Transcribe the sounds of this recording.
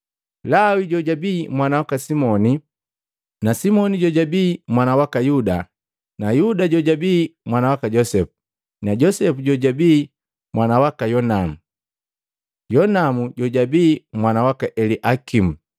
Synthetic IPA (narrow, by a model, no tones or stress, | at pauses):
lawiɟɔɟabimwanawakasimɔni | nasimɔniɟɔɟabimwanawakajuda | najudaɟɔɟabimwanawakaɟɔsɛpu̥ | naɟɔsɛpuɟɔɟabi | mwanawakajɔnamu | jɔnamuɟɔɟabimwanawakaʔɛliʔakim̩